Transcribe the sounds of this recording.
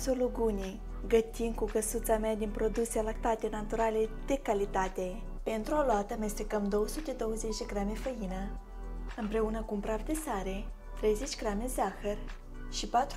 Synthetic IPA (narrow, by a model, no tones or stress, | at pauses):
soluɡunʲi | ɡət̪inkukəsut̪samead̪inpɾo̞d̪uselak̚t̪at̪e̞nat̪uɾale̞d̪̥e̞kalit̪at̪e̞ | pe̞nt̪ɾuoloat̪əme̞st̪ekəmd̪o̞wəsut̪e̞d̪o̞wəze̞t͡ʃd̪e̞ɡɾamefəjinə | ɨmpɾe̞unəkumpɾavd̪esaɾe̞ | t̪ɾe̞jze̞t͡ʃʲɡɾamezaxər | ʃipat̪ɾ